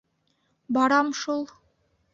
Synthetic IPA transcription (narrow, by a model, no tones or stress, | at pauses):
bɑɾɑmʃulˠ